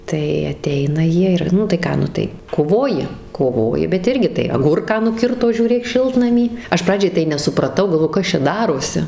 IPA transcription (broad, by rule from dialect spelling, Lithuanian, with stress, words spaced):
tɐɪ ɐˈtʲɛɪnɐ ˈjiɛ ˈɪr nʊ tɐɪ ˈkɑː ˈnʊ tɐɪ koːˈʋoːjɪ koːˈʋoːjɪ bʲɛt ˈɪrʲɡʲɪ tɐɪ ɐˈɡʊrkɑː nʊˈkʲɪrtoː ʒʲuːˈrʲeːk ˈʃʲɪlˠtnɐmʲiː ˈɐʃ ˈprɑːd͡ʒʲɛɪ tɐɪ nʲɛsʊprɐˈtɐʊ ɡɐlˠˈʋoːjɛʊ ˈkɐs t͡ʃʲɛ ˈdɑːroːsʲɪ